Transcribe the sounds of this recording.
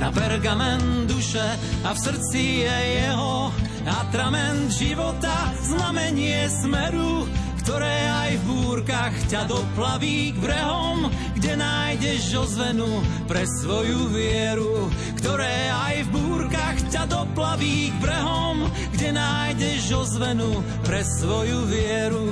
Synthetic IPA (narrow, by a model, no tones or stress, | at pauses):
na̰bɛɾɡamɛnd̪uʃɛ | afsr̩t͡sijɛjɛɦɔ | at̪ɾamɛnd̪ʒiʋɔt̪aznamɛɲɪɛsmɛɾu | kt̪ɔɾɛːajvbuːɾkaxcad̪ɔplaʋiːɡbɾɛɦɔm | ɡɟɛnaːjɟɛʒzɔzʋɛnupɾɛsʋɔjuvɪɛɾukt̪ɔɾɛː | ajvbuːɾkaxcad̪ɔplaʋiːɡbɾɛɦɔ | m | ɡɟɛnaːjɟɛʒzɔzʋɛnu | pɾɛsʋɔjuvɪɛɾu